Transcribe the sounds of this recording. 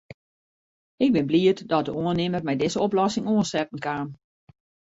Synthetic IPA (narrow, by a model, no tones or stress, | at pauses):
ɪk̚bɪnbliətdɔt̚dəoənɪmərmɛjdɪzəoplɔsɪŋoənsɛpən̩kaːm